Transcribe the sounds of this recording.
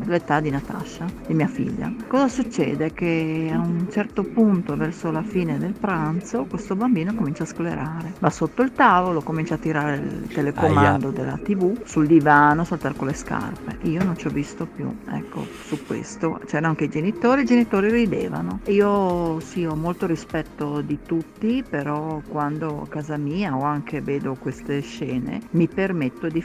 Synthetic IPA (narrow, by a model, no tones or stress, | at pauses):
let̪ad̪inat̪a̰ʃad̪imiafḭʎːa̰kɔːzasut͡ʃːɛ̰ːd̪ekeaunt͡ʃɛrt̪opunt̪ovɛrsolafiːned̪elpɾant̪sokwest̪obambiːnokomint͡ʃaːskoleɾaːɾevasot̪ːoilt̪aːvolokomint͡ʃaːt̪ːiɾaːɾeḭlt̪elekomaand̪od̪ḛlːa̰t̪ivusuld̪ivaːnosalt̪arkoleska̰rpeiːonont͡ʃɔvːist̪opjṵɛ̰kːo̰ | sukwḛst̪ot͡ʃɛːɾaaŋkeid͡ʒenit̪oːɾiid͡ʒenit̪oːɾirid̪eːva̰noiːosiɔmolt̪oɾispɛt̪ːod̪it̪ut̪ːipeɾɔkwand̪oa̰kaːzamiːaɔaŋkʰeveːd̪okwest̪eʃɛːnḛmipermet̪ːod̪i